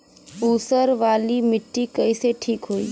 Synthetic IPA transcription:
uːsəɾʋaːlimɪʈːikəiseʈʰiːkɦoːḭː

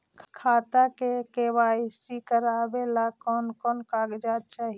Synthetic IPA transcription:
kʰkʰaːt̪akekebaisikəɾabelakɔnkɔːnkaɡd͡ʒat̪̚t͡ʃaːɦi

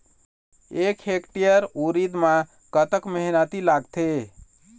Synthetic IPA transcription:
ekhekʈijəɾuɾid̪mã | kət̪əkmeɦnət̪ilaɡt̪ʰe

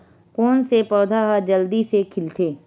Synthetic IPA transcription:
kɔːnsepɔːd̪ʱaɦad͡ʒəld̪isekʰɪlt̪ʰeː

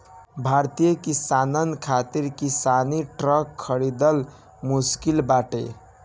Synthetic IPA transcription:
bʱaɾt̪ijəkisanənkʰat̪iɾkisaniʈɾəkʰːəɽid̪əl | muskilbaʈḛ

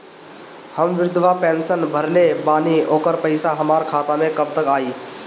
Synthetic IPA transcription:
həmʋɪɾʊd̪ʱʋapẽːnsənbʱəɾlebaːnioːkəɾpəɪsaɦəmaːɾkʰaːt̪amẽkəb̚t̪əkaːiː

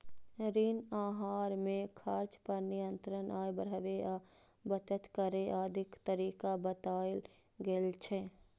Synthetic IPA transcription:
ɾinaːɦaːɾmẽkʰaɾt͡ʃpəɾnɪjə̃nt̪ɾənʔaːjbəɾəʋe | bət̪ət̪kəɾeʔaːd̪ʱɪkt̪əɾiːkabət̪aːɪl | ɡelt͡ʃʰe

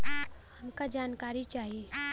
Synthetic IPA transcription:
hɐmkad͡ʒaːnkaːɾit͡ʃaːɦie

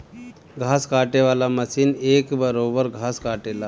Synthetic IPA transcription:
ɡʱaskaʈeʋalaməsiːnekbəɾobəɾɡʱaskaʈela

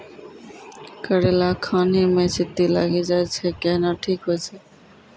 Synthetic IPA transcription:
kəɾelakʰanimet͡ɕit̪ːila̰ɡed͡ʑajt͡ɕʰekɛnaʈʰikɦojt͡ɕʰe

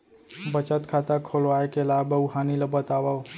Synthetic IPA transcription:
bət͡ʃət̪kʰaːt̪akʰolʋaːekelaːbəuɦaːniləbət̪aʋəw

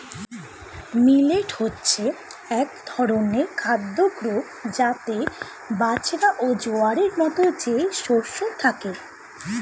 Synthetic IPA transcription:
mileʈhotːɕʰeɛkd̪ʱɔɾonekʰad̪ːoɡɾo | d͡ʑat̪e | bat͡ɕɾaʔod͡ʑoaɾeɾmɔt̪od͡ʑeʃoɾʃot̪ʰake

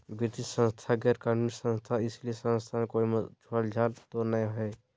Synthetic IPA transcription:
bit̪isə̃nst̪ʰaɡeɾkanmissə̃nst̪ʰaɪsliesə̃nst̪ʰankoːimət͡ʃʰoald͡ʒʱaːlt̪onãɦɛ

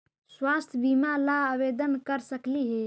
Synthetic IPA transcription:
swast̪ʰbimalaaʋeːd̪ənkəɾsəkliɦe

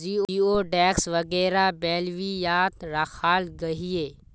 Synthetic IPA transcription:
iːiːoːɖɛːksʋɐɡɛːɾabɛːlʋijaːt̪ɾaxʰaːlɡɐɦieː

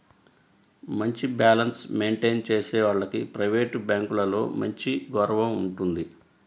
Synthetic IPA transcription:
mɐɲt͡ʃibaːlɐnsme̞ːɳʈe̞ːnt͡ʃe̞ːsɛːʋaːɭːɐkipɾɐjʋeːʈbaːŋkulɐlo̞ːmɐɲt͡ʃiɡɔɾɐʋɐmuɳʈund̪i

